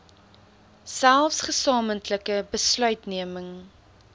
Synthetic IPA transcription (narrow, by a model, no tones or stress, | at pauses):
sælˠfsχəsɑːməntləkəbəslœɥtniəməŋ